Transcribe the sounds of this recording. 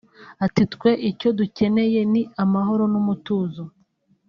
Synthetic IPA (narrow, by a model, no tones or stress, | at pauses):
atitkwe̞ʔico̞duce̞ne̞je̞niamaɦo̞ɾo̞numutuːzu